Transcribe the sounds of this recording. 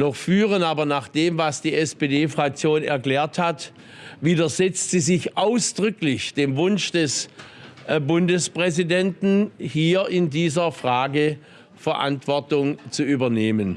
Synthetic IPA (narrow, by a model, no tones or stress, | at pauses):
nɔχfyːʁənaːbɐnaːχd̥eːmvasd̥iːɛspedeːfʁ̥ak̚t͡sjoːnɛ̰ɐkl̥ɛːɐthat | viːdɐzɛt͡stz̥iːzɪçʔaʊsd̥ʁʏklɪçd̥eːmvʊnʃd̥ɛs | bʊndəspʁ̥ɛzidɛntn̩hiːɐʔɪndiːzɐfʁ̥aːɡə | fɛɐʔa̰ntv̥ɔɐtʊŋt͡suʔyːbɐneːmən